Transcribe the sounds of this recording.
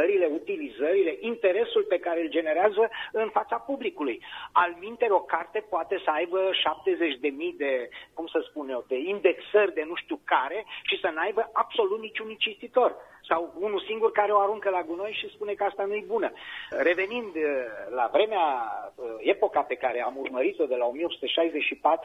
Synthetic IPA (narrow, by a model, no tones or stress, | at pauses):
əɾile̞ut̪ilizəɾile̞ʔint̪e̞ɾe̞sulpe̞kaɾeld͡ʒe̞ne̞ɾeazəɨnfat̪sapublikulujalmint̪e̞ɾo̞kart̪e̞poat̪e̞səajbəʃap̚t̪e̞ze̞t͡ʃd̪e̞mijd̪e̞kumsəspunewd̪e̞ind̪e̞ksərʲd̪e̞nuʃt̪iukaɾe̞ʃisənajbəʔab̥so̞lut̪nit͡ʃunint͡ʃist̪it̪o̞r | sawunusiŋɡurkaɾe̞o̞aɾuŋkəlaɡuno̞jʃispune̞kəast̪anujebunəre̞ve̞nind̪la̰vɾe̞mea | e̞po̞kape̞kaɾe̞amurməɾit̪o̞d̪e̞lao̞mijeo̞psu̥t̪eʃajzet͡ʃʃipat̪ɾu